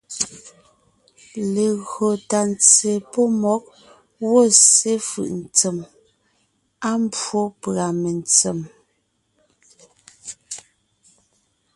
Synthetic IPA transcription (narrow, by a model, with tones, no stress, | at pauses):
le˨ɣɰo˨ta˨n˨t͡se˨po˦mɔ˨˦k̚ | wo˦˨se˦fɯ̰˨ʔn̩˨t͡se˨m | a˦m˦bo˦pɣa˨me˨nt͡se˨m